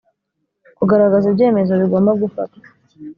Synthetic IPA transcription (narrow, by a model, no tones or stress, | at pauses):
kuɡaɾaɡazibɟe̞ːme̞zo̞βiɡo̞ːmbaɡufa̰tḁ